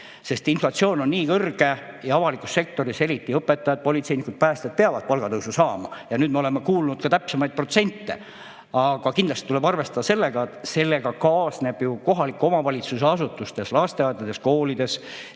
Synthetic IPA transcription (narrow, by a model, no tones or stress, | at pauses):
se̞st̪inflɑt̪sio̞ːno̞nːiːkɤrɡ̥e̞jɑɑvɑlikːˑusse̞k̚t̪o̞ɾise̞ɾit̪ːˑiɤpːˑe̞t̪ːˑɑjɑd̪̚po̞lʲit̪se̞jnikud̪̥̚pæːst̪ed̪̥̚peɑvɑd̪̚pɑlɡ̥ɑt̪ɤwsusɑːmɑ̰jɑnyːd̪meo̞lemekuːlnud̪̥̚kɑt̪æpsemɑjd̪̥̚pro̞t̪senʲt̪ːˑe̞̰ | ɑɡ̥ɑkind̪lɑst̪i̥t̪ule̞bɑrve̞st̪ɑd̪̥ɑse̞lːe̞ɡɑet̪se̞lːe̞ɡ̥ɑkɑːsne̞b̥juko̞ɦɑlikːˑuo̞mɑvɑlʲit̪suseɑsut̪ːˑust̪e̞slɑst̪e̞ɑt̪ːˑɑt̪ːesko̞ːlid̪e̞s